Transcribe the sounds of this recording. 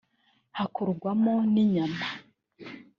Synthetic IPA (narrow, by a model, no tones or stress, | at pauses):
hakʰoɾɡwamoniɲama